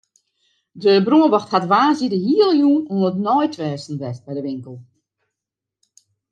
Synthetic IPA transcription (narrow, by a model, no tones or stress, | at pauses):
dəbruəʋɔxthatʋaːzidəhiəlˠjuːnunətnɔjtʰʋɛːsn̩dɛst̚bɛjdəʋɪŋkəlˠ